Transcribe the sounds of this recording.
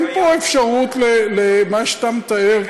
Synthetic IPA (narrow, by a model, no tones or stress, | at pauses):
npoefʃaʁut̪lelemaʃat̪amet̪aeʁ